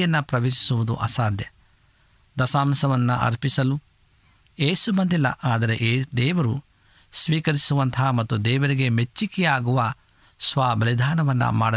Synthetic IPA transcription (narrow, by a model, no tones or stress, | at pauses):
jɐnːɐpɾɐʋeːsi̥suʋud̪ṵʔɐ̰saːd̪jɐ | d̪ɐsaːmsɐʋɐnːɐʔɐ̰ɾpisɐlu | jeːsubɐnd̪ilːɐ̰ʔaːd̪ɐɾe̞ʔd̪ɛːʋɐɾu | sʋiːkɐɾisuʋɐnt̪ʰaːmɐt̪ːud̪ɛːʋɐɾiɡe̞met͡ʃːikɛjaːɡuʋɐ | sʋaːbɐlid̪ʱaːnɐʋɐnːɐ̰ma̰ːɽɐ